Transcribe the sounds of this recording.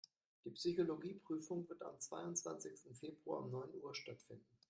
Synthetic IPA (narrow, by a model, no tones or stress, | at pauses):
d̥iːpsyçoloɡiːpʁ̥yːfʊŋvɪɐta̰mt͡sv̥a̰ɪʊntt͡sv̥a̰nsɪçstn̩feːbʁuɐ̰ʊ̰mnɔʏnʔuːɐʃtatfɪ̰ndn̩